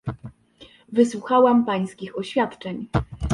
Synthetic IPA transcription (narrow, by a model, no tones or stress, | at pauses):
vɘswuxawampaj̃skʲixɔɕfʲjat̪t͡ʂɛɲ